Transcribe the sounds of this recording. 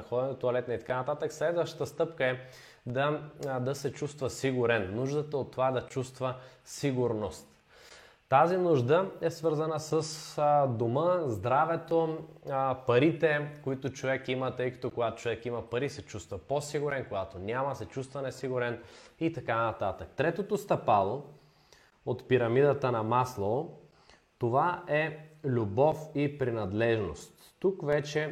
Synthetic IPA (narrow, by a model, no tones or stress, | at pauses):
ɐxɔd̪ɛnot̪ʊɐlɛt̪nɐit̪ɐkanɐt̪at̪əkslɛd̪vəʃt̪t̪əst̪ɤpkəɛ | d̪ɐd̪ɐsɛt͡ʃust̪vɐsiɡʊɾɛnːuʒd̪ət̪əot̪ːovad̪ɐt͡ʃust̪vəsiɡʊɾnost̪ | t̪azinʊʒd̪əɛsvɤɾzənəsəsd̪oməzd̪ɾavɛt̪o | pɐɾit̪ɛkoit̪ot͡ʃovɛkimət̪ɤjkɐ̥t̪okoɡat̪o̥t͡ʃovɛkimɐpɐɾisɛt͡ʃust̪vɐposiɡʊɾɛnkoɡat̪onʲamɐsɛt͡ʃust̪vɐnɛsiɡʊɾɛnit̪ɐkanɐt̪at̪ək̚t̪ɾɛt̪ot̪ost̪ɐpalˠo | ot̪piɾɐmid̪ət̪ənɐmaslˠo | t̪ovaɛlʲubɔfipɾinɐd̪lɛʒno̰st̪ːukvɛt͡ʃɛ